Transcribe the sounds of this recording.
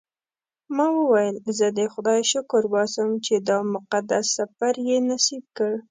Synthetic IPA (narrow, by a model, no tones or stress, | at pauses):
mɑwəwajəlzəd̪əxʊd̪ɑjʃʊkʊɾwɑsəmt͡ʃed̪ɑmʊqad̪asːafaɾjenasib̚kəɽ